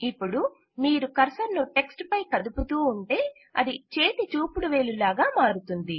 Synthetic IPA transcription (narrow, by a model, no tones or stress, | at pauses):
ipːuɽu | miːɾukɐɾsɐɾnuʈe̞ksʈpɐjkɐd̪uput̪uːɳʈe̞ː | ɐ̰d̪it͡ʃe̞ːt̪it͡ʃuːpuɽuʋe̞ːlulaːɡaːmaːɾut̪und̪i